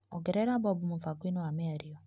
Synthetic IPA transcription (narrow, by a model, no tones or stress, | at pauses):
ɔɡɛɾɛɾabɔbumufakinoameaɾiɔ